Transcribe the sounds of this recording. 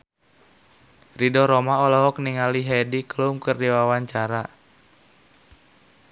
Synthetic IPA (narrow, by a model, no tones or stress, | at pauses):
ridɔɾɔmaɔlɔɦɔk̚niŋaliɦɛdiklumkɨrdiwawaɲt͡ʃaɾa